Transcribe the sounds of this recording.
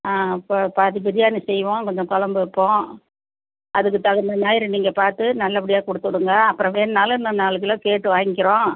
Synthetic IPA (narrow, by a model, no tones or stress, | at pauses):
aːɪpːpːaðɯbɪɾɪjaːnɯsɛjʋõːkɔɲd͡ʒɐ̃kɔlɐmbɯɪpːõː | ʔɐðɯk̬ːɯt̪ɐɣɐnd̪ɐnaːjɪɾɯniːŋɡɐpaːɾt̪ɯnɐlːɐp̬ːɪɽɪjaːkɔɽɯt̪ːɯɽɯŋɡɐɐpːɯɾɔ̃ʋeːnnaːlnːɐnːaːlɯk̬ːɯlɐkeːʈːɯʋaːŋɡɪkːɪɾõː